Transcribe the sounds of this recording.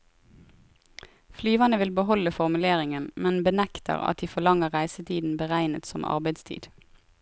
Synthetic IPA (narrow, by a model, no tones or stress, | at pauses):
flyːʋɑnəʋɪlbəhɔləfɔʁmʉleːʁɪŋənmɛnbənækt̪ə̰ʁɑ̰t̪̚d̪iːfɔlɑŋəʁʁæɪsət̪ʰiːd̪n̩bəʁæɪnət̪sɔmʔɑ̰ʁbæɪd̪st̪ʰḭːd̪̥